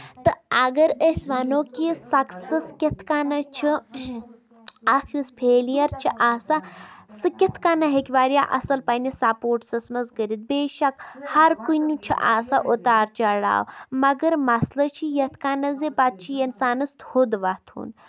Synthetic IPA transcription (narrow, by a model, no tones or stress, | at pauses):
t̪ɨɐɡɐɾəsʲʋanoːkisɐksɐskʲɐt̪ʰkanɐt͡ʃʰi | akʰjuspʰeːlijɐɾt͡ʃʰiʔaːsasɨkʲit̪ʰkanɐɦekʲʋaːɾja̰ʔɐ̰sɐlpɐnisapoːʈsɐsmɐzɡəɾid̪̚beːʃɐkhɐɾkunut͡ʃʰḭʔa̰ːsaʔot̪aːɾt͡ʃɐɽa̰ːwmɐɡɐɾmɐslət͡ʃʰijɐt̪ʰkanɐzebat̪̚t͡ʃʰiɐnsaːnɨst̪hud̪ʋɐt̪ʰṵːn